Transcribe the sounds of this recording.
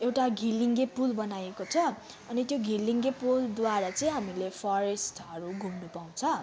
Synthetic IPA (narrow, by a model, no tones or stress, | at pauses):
ewʈaɡʱilːiŋɡepulbʌnajekot͡sʰʌ | ʌnit̪joɡʱilːiŋɡepuld̪waɾat͡sʌj̃ɦamilepʰʌɾesʈʌɾuɡʱumnupaw̃t͡sʰʌ